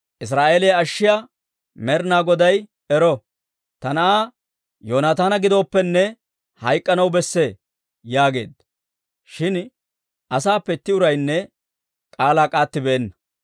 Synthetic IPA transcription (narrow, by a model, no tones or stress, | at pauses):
ʔɪs̬ɾaːʔeːlɪjɐɐʃːɪja | mɛɾnaːɡɔd̪ɐj | ɛɾɔ | t̪ɐnɐʔaː | joːnaːt̪aːnɐɡɪd̪o̞ːpːɛnːɛ | hɐjkʼːɐnɐwbɛsːe̞ː | jaːɡe̞̰ːd̪ɐ | ʃɪn | ʔɐsaːpːɛt̪ːɪʊɾɐjnːɛ | kʼaːlaːkʼaːt̪ːɪbɛːnːɐ̥